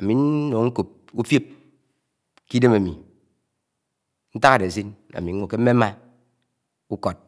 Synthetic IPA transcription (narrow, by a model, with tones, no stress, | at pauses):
a˨mi˨n˦no˨ŋ̩˦ku˨p̚ | u˦fje˦p̚ | ki˦de˦ma˨mi˨ | n̩˦ta˦ka˨de˨s̬i˦na̰˨mi˨ŋʷ˦o˨ke˦m̩˦me˦ma˦ | u˦ko˨t̚